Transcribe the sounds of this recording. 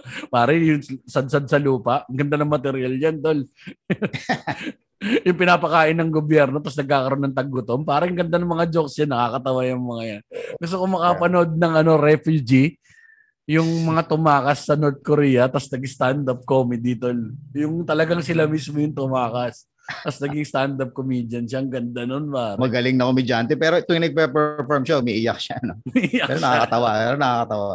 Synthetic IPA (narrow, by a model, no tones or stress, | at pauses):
paːɾɐjʊŋsɐd̪̚sɐd̪̚sɐluːpɐʔɐŋɡɐnd̪anɐŋmɐt̪ɛɾɪjalɲand̪ol | jʊŋpɪnaːpɐkaːʔɪnːɐŋɡobjɛɾno̞t̪asnɐɡ̚kaːkɐɾo̞nːɐŋt̪ɐɡːʊt̪o̞mpaːɾɐŋɡɐnd̪anɐŋmɐŋad͡ʒoksjɐnːɐkakɐt̪ɐwajʊŋmɐŋajanɡʊst̪okomɐkapɐno̞d̪̚nɐŋʔɐno̞ɾɛfjʊd͡ʒi | jʊŋmɐŋat̪ʊmaːkɐsːɐnoɾt̪̚koɾiːjɐt̪ɐsnɐɡɪst̪and̪ɐp̚komɪd̪it̪oljʊŋt̪ɐlɐɡaŋsɪlamismojʊŋt̪ʊmaːkɐs | t̪ɐsnɐɡɪŋst̪and̪ɐp̚komid͡ʒ̪ɐnʃaŋɡɐnd̪anonpaːɾɐmɐɡɐlɪŋnɐkomɪd͡ʒant̪ɛpɛːɾoʔɪt̪oŋɪnɐɡ̚pɛpɛfoɹmʃamɛʔijak̚ʃaɐnomɛʔjaɛɾonɐakɐt̪ɐwaɛɾonɐkakɐt̪ɐwa